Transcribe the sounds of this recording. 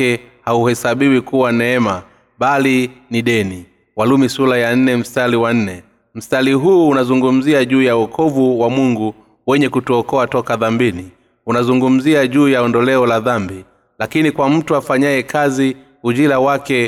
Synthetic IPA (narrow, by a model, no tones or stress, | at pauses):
ɛhauhɛsaɓiwikuwanɛɛma | ɓaliniɗɛni | walumisulajan̩nɛm̩staliwan̩nɛ | m̩staliɦuːnazuŋɡum̩ziaʄuːjaɔkʰɔvuwamuŋɡu | wɛɲɛkutuɔkɔatɔkaðambini | unazuŋɡum̩ziaʄuːjaɔndɔlɛɔlaðambi | lakinikwam̩tuafaɲajɛkʰazi | uʄilawakɛ